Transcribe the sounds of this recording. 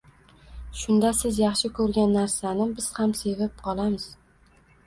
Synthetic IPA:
ʃʊnd̪asɪzjɑχʃɪkʰɵɾɡʲanːaɾsanɪbɪz̥hamse̞vɪp̚qʰɒlˠamɪz̥

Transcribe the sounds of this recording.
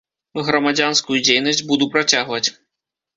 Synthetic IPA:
ɣɾɐmad͡zʲanskujud͡zʲejnɐsʲd͡zʲbud̪upɾat͡sʲaɣvɐt͡sʲ

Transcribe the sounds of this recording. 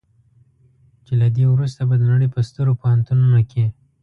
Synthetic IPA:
t͡ʃelad̪ewɾust̪abad̪əlaɽəjpəst̪əɾopohant̪ununake

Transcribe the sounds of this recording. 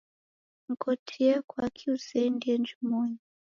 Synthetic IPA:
ŋ̩kʰɔtʰiɛkwakʰiusɛndiɛnd͡ʒumɔɲi

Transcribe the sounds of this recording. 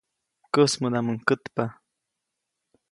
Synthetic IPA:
kəsmud̪aməŋkət̪pa

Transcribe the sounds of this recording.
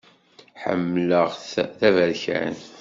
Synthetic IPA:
ħə̰mːləʁθθævæɾçæ̰n

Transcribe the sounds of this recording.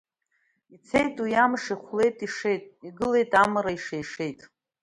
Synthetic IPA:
it͡sʰejtʼujamʂiχʷle̞jtʼiʂe̞jtʼiɡɨle̞jtʼamaɾaiʂejʂe̞jtʼ

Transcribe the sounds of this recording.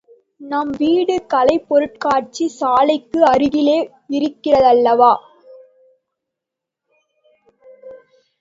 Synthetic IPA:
nɐmʋiːɽɯkɐlɐɪpːɔɾɯʈ̚kaːʈ̚t͡ʃisaːlɐɪkːɯɐɾɯɣɪleː | ɪɾɯkːɪrɐðɐlːɐʋaː

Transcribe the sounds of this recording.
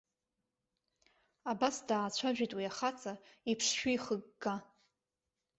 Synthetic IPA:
abasdaːt͡ɕʷʰaʒᶣitʼwiaχat͡sʼaipʰʂʃᶣijχəɡːa

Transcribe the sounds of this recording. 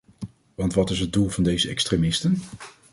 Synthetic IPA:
ʋɑntʋɑtɪsɦəd̚dulˠvɑndejzəɛ̰kstremɪstən

